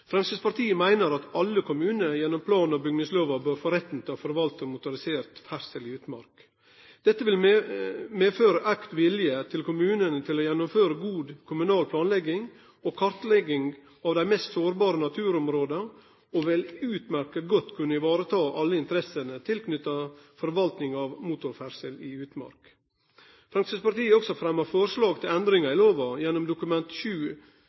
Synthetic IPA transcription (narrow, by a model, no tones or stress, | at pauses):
fɾɛmsəspɑɾt̪ʰiːəmæɪnəɾɑt̪ɑlːəkʰʊmʉːnəjɛnːɔmpʰlɑːnɔbʏɡnəsløːʋɑbøːɾfoːɾɛt̪ːn̩t̪ʰɑːfɔɾʋɑlt̪ɔmʊt̪ʊɾɪseːɾt̪fæɾsəliːʉt̪mɑ̰ɾk | d̪̥ɛt̪ːəʋɪl | meːføːɾəʔækt̪ʋɪljət̪ʰɪlkʊmʉːnənət̪ʰɪlɔjɛnːɔmføːɾəɡuːd̪kʰʊmʉnɑːlpʰlɑːnlɛɡɪŋ | ɔkʰɑɾt̪lɛɡɪŋ | ɑːʋd̪æɪmɛst̪soːɾbɑːɾənɑt̪ʰʉːɾɔmɾoːd̪ə | ɔʋɛlʉːt̪mæɾkəɡɔt̪ːkʰʉnːəɪʋɑːɾət̪ʰɑːʔɑlːəɪnt̪əɾɛsənət̪ʰɪlkʰnʏt̪ːɑfɔɾʋɑlt̪nɪŋɑʋmuːt̪ʊɾfæɾsəlɪʉːt̪mɑ̰ɾk | fɾɑŋsəspɑɾt̪iːəɔksɔfɾɛmːəɾfɔɾʂlɑːɡ̚t̪ʰɪlɛnd̪ɾɪŋɑɪloːʋɑjɛnːɔmd̪ʊkʉmɛnt̪ʃʉː